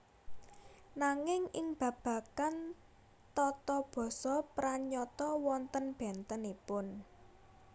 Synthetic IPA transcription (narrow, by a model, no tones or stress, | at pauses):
naŋɪŋɪŋb̥ä̤b̥ä̤kan | t̪ɔt̪ɔb̥ɔ̤sɔpɾaɲɔt̪ɔwɔnt̪ənb̥ɛnt̪ənipʊn